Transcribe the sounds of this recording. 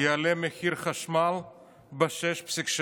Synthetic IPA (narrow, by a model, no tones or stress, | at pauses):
jealemexiɾχaʃmal | baʃɛʃpsikʃ